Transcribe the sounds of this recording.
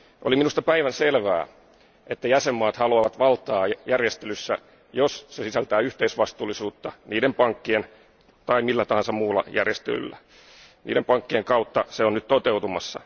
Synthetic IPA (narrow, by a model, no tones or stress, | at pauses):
ʔo̰liminust̪ɑpæiʋænselʋæ̰ː | ʔet̪ːæjæsemːɑːt̪hɑluɑʋɑt̪ʋɑlt̪ˑɑːjærjest̪elysːæ̰ | jossesisælt̪æːyht̪eisʋɑst̪uːlisuːt̪ːɑniːdempɑŋkːien | t̪ɑimilːæt̪ɑhɑnsɑmuːlːɑ̰jærjest̪ḛly̰lːæ | nḭːdempɑŋkːieŋkɑut̪ːɑseonnyt̪t̪ot̪eut̪umɑsːɑ̰